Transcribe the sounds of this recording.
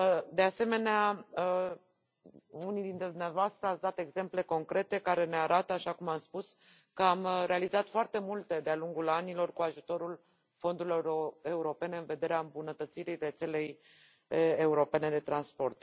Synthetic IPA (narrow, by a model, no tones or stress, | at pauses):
d̪e̞ase̞me̞neaə | unijd̪int̪ɾed̪umneavoast̪ɾəatsd̪at̪e̞ɡze̞mple̞ko̞ŋkɾʔe̞t̪e̞kaɾe̞ne̞aɾʔat̪əaʃakumamspus | kəamɾe̞alizat̪foart̪e̞mult̪e̞d̪ealuŋɡulanilo̞rkuaʒut̪o̞ɾul | fo̞nd̪uɾiloroe̞uɾo̞pe̞ne̞ɨnve̞d̪e̞ɾeaɨmbunət̪ət̪siɾire̞t̪se̞le̞j | euɾo̞pe̞ne̞d̪e̞t̪ɾanspo̞rt̪